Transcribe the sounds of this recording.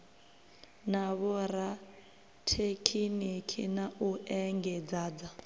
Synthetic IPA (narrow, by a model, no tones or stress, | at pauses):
naβɔɾa | tʰekʰinikʰḭnauʔɛŋɡɛd͡zaːd͡za